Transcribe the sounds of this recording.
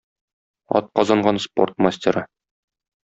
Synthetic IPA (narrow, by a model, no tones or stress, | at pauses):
ɒ̰t̪̚qɒzɑɴɢɑnspo̞̰rt̪masʲtʲeɾɤ